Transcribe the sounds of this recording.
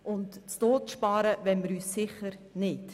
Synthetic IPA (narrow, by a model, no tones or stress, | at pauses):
ʔʊntt͡stoːtʃpɑːɾəvɛnməɾyːsːɪχəɾnɪt